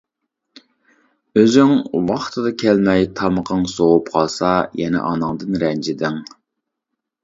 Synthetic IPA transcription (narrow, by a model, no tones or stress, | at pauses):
øzyŋwɑχt̪ʰɨd̪ɑkʲʰælmɛjt̪ʰɑməqʰəŋsoʁupqʰɑlˠsɑjɛnɛ̰ʔɑnɨŋd̪ɨnɾɛnd͡ʒɪd̪ɪŋ